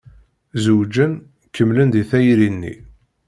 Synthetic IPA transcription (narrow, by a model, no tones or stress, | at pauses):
zuwd͡ʒən | kəmlənd̪iθæjɾinːḭ